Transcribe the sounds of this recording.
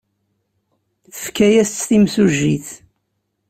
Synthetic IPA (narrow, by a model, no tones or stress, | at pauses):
θə̥fkæjæst͡sːθimsuʒːiθ